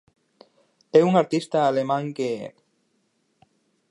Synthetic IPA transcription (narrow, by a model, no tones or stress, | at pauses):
euŋaɾt̪ist̪aːlemãŋke